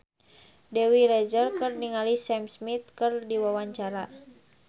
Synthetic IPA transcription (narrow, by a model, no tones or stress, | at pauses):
dɛwiɾɛd͡ʒərkɨrniŋalisɛmsmit̪̚kɨrdiwawaɲt͡ʃaɾa